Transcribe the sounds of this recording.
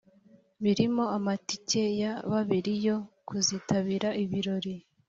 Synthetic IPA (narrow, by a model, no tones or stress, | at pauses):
βiɾimo̞amatice̞jaβaβiɾijo̞kuziːtaβiːɾaʔiβiɾo̞ɾi